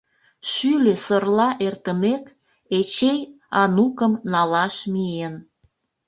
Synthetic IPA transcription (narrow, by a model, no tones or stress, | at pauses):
ʃyløsorlɑʔert̪əmek | et͡ɕej | ɑnukəmnɑlɑʃmien